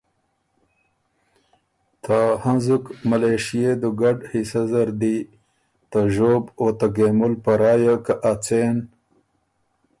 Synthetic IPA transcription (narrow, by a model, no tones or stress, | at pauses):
t̪ʰahanzukmaleʂijed̪əɡaɖhisazaɾd̪i | t̪aʒoːbot̪aɡemulpaɾɑːjakaʔat͡sen